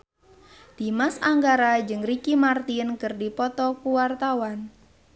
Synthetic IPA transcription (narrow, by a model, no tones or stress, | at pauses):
d̪̥imasaŋɡaɾad͡ʒɨŋrikimart̪inkɨrdipɔt̪ɔkuwart̪awan